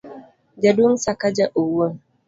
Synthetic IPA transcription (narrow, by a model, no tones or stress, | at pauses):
d͡ʒadunsakad͡ʒaʔuwə